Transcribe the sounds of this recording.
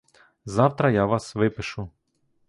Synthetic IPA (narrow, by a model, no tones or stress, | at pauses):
zɑwt̪ɾɐjaʋɑsʋɪpɪʃʊ